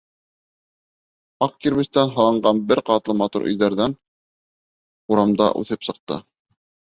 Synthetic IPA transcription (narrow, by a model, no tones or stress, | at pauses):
ɑqkiɾβɘ̆st̪ænɦɑlˠɑɴɢɑnbɘɾqɑt̪lˠɤmɑt̪ṵɾʔɵ̰̆jðæɾðæn | uɾɑmd̪ɑ̰ʔʉ̰θɘpsɤ̆q̚t̪ɤ̰